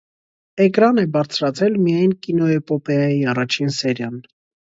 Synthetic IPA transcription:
ɛkɾɑnɛbɑɾt͡sʰɾɑt͡sʰɛlmijɑjnkinɔɛpɔpɛɑjiɑrɑt͡ʃʰinsɛɾjɑn

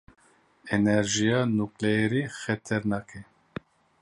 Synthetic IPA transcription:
ɛnɛɾʒijɑːnuklɛjɛɾiːxɛt̪ʰɛɾnɑːkʰɛ

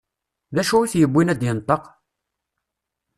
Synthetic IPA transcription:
ðæʃuiθjəbːinæd̪jənt̪ˤːəq

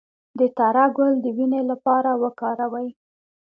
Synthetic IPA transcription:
d̪ət̪aɾaɡʊld̪əwinelapɑɾawəkɑɾawəj

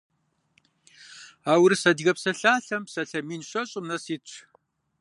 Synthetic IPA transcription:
aːwrɨsɐdɣɐpsɐɬaːɬɐmpsɐɬɐmiːnɕʷɐɕʼɪmnɐsiːt͡ɕʷʰ

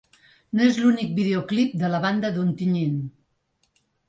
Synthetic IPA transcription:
noezlunik̚biðeoklip̚d̪ələβand̪əðont̪iɲen

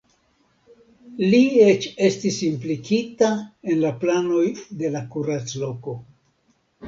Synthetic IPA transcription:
liet͡ʃe̞stisimplikitae̞nlaplano̞jde̞lakuɾat͡slo̞ko̞

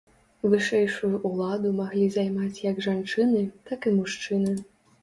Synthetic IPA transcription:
vɨʂɛjʂujuʔːlˠad̪umaɣlʲizajmat͡sʲjɐɡʐant͡ʂɨnɨt̪akɨmuʂt͡ʂɨnɨ

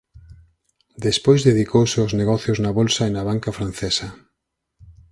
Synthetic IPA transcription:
d̪espojzðeðikowsɪozneɣɔθjʊznɐβolsaenɐβ̞aŋkafɾanθesɐ

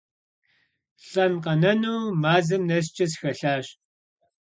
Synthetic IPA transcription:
ɬʼɐnqɐnɐnuːmaːzɐmnɐs̬t͡ʃʼɐsxɐɬaːɕ

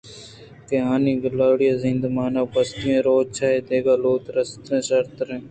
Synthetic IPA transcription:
k̪eɦaːnĩːɡɪlaːɽɪjaːzĩnd̪maːnaːpəst̪ijẽːɾoːt͡ʃʰaːeːd̪eːɡaːloːt̪ɾəst̪ẽːsəɾt̪ɾẽː

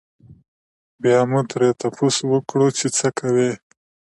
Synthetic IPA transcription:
bjɑmut̪ɾet̪apʰoswəkɽut͡ʃet͡səkʰawe

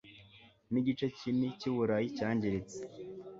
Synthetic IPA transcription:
niɟit͡ʃeciniciβuɾajicaːɲɟeɾet͡se̥

